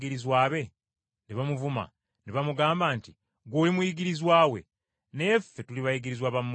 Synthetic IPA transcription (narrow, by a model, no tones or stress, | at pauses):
ɡiɾizwaːβe̞ | neβamuvuma̰ | neβamuɡaːmbaːnti | ɡoːlimujiɡiɾizwaːwe̞̰ | nefːe̞tuliβajiɡiɾizwaβamː